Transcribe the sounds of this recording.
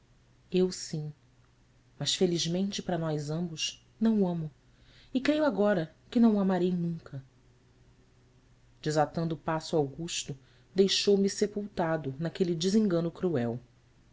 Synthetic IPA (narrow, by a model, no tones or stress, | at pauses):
ewsĩ | mɐʃfeliʒmẽnt͡ʃɪpɾɐnɔjzɐ̃mbʊʃ | nɐ̃w̃ɐ̃mʊ | ɪkɾejuaɡɔɾɐ | kɪnɐ̃w̃amaɾejnũŋkʰɐ | d͡ʒɪzat̪ɐ̃nd̪ʊpasʊawɡuʃt̪ʊ | d̪ejʃowmisepuwt̪ad̪ʊnakelid͡ʒɪzĩŋɡɐ̃nʊkɾuɛw